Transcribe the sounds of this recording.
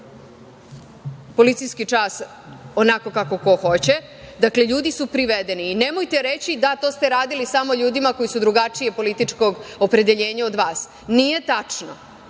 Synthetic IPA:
po̞lit̪sijskit͡ʃaːs | o̞nako̞kako̞ko̞xo̞t͡ɕe | d̪akleʎuːd̪isupɾiʋed̪e̞niːne̞mojt̪e̞ɾe̞t͡ɕid̪at̪o̞ːst̪e̞ɾaːd̪ilisamo̞ʎuːd̪imako̞jisud̪ɾuɡat͡ʂije̞po̞lit̪it͡ʂko̞ɡopɾe̞d̪e̞ʎe̞ːɲao̞d̪ʋaːs | nije̞t̪at͡ʂno̰

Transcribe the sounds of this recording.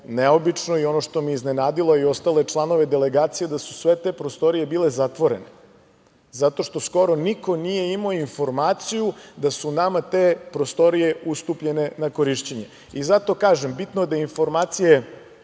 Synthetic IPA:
neobit͡ʂno̞io̞noʃt̪o̞miiznenaːd̪ilˠojio̞st̪ale̞t͡ʃlˠano̞ʋe̞d̪e̞le̞ɡaːt̪sijed̪asu̥sʋe̞t̪epɾost̪o̞ɾije̞biːle̞zat̪ʋo̞ɾe̞ne | zat̪o̞ʃt̪o̞sko̞ɾo̞niko̞nije̞imaoinfo̞ɾmaːt̪sijud̪asunamat̪eːpɾost̪o̞ɾije̞ust̪upʎe̞ne̞nako̞ɾiʃt͡ɕeɲe̞ | izat̪o̞kaːʒembit̪nojed̪ainfo̞ɾmaːt̪sije

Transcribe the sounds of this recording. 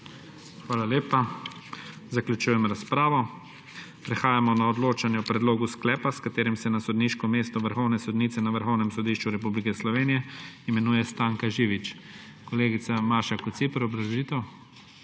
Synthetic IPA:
xʋaːlaleːpa | zaklʲjut͡ʃuːjɛmɾaspɾaːʋɔ | pɾɛxaːjamɔnaɔd̪loːt͡ʃanjɛɔpɾɛd̪loːɡusklɛːpaskat̪eːɾimsɛnasɔd̪niʃkɔmeːst̪ɔʋəɾxɔwnɛsɔd̪niːt̪sɛnaʋəɾxɔwnɛmsɔd̪iːʃt͡ʃuɾɛp̬ublikɛslɔʋeːnijɛimɛnuːjɛst̪aːŋkaʒiːʋit͡ʃ | kɔleːɡit̪samaɾʃakɔt̪sipɾɛɔbɾaʒliːt̪ɛw

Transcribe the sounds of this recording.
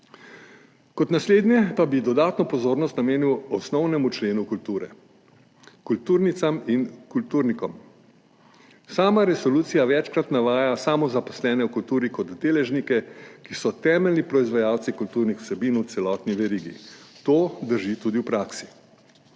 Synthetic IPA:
kɔt̪nasleːd̪njɛpabid̪ɔd̪aːt̪nɔpɔzoːɾnɔst̪nameːniwɔsnɔwnɛmut͡ʃleːnukult̪uːɾɛ̰ | kult̪uːɾnit̪saminkult̪uːɾnikɔm | saːmaɾɛsɔluːt̪sijaʋɛt͡ʃkɾat̪naʋaːjasaːmɔzapɔslɛːnɛwkult̪uːɾikɔd̪d̪eːlɛʒnikɛkisɔt̪ɛːmɛlnipɾɔizʋajaːwt̪sikult̪uːɾnixw̥sɛbiːnwt̪sɛlɔːt̪niʋɛɾiːɡḭt̪oːd̪əɾʒit̪uːd̪iwpɾaːksi̥

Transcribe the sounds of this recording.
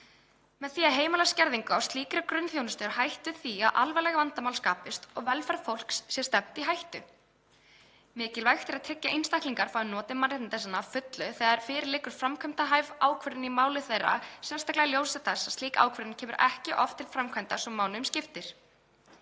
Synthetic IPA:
mɛðθiːaðɦeːjmalascɛɾðiŋkʏawst̪liːkɪɾʏkɾʏnːθjownɪst̪ʏɾhajht̪ʏθia̰ðʔa̰lvɛlɛːɣavant̪amawlskaːpɪst̪ɔɣvɛlfaɾfowl̥kssjɛst̪ɛm̥t̪iɦajht̪ʏ | mɪːcɪlvajxt̪ɪɾaðt̪ʰɛcːaʔinst̪ajhk̪liŋkaɾ̥faɪnɔːt̪ɪmanːɪht̪nt̪ɛsanafʏt̪lʏθɛːðaɾfɪːɾɪɾlɪːkʏɾ̥fɾamkʰœmt̪aɦajvaːwkʰvœɾðɪnimaːwlɪθejra̰sɛnst̪aklaɣljowsaθɛsːḁsiːkaa̰wkʰvœɾðɪncʰɛːmʏɾʔɛhcɪʔɔft̪ʰɪlfɾamkʰɛmt̪asɔmːaːwlɪmscɪft̪ɪɾ̥

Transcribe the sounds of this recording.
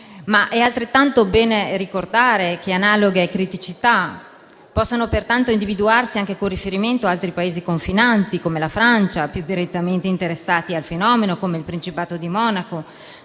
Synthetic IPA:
maʔɛalt̪ɾet̪ːant̪obɛːnerikord̪aːɾek̟eanaːloɡeːkːɾit̪it͡ʃit̪a | pɔsːonopert̪ant̪oind̪ivid̪uarsiaŋk̟ekonrifeɾiment̪oaalt̪ɾipaeːzikoɱfinant̪ikomelafɾant͡ʃapjud̪iɾet̪ːament̪eint̪eɾesːaːt̪ialfenɔːmenokomeilpɾint͡ʃipaːt̪od̪imɔːnako

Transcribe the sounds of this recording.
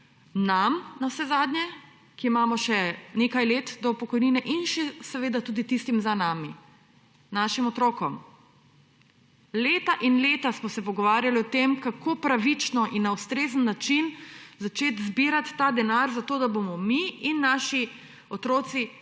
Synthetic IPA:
namnawsɛzaːd̪nʲjɛ | kiimamɔʃɛneːkajleːt̪d̪ɔpɔkɔjniːnɛʔinʃɛsɛʋeːd̪at̪uːd̪it̪ist̪imzanaːmi | naʃimɔt̪ɾoːkɔm | leːt̪aʔinleːt̪asmɔsɛpɔɡɔʋaːɾjaliɔt̪emkakʰoːpɾaʋit͡ʃnɔʔinːaust̪ɾeːzənːat͡ʃinzat͡ʃeːt̪zbiɾat̪ːad̪ɛnaɾzat̪oːd̪abomɔmiinːaʃi | ɔt̪ɾoːt̪si

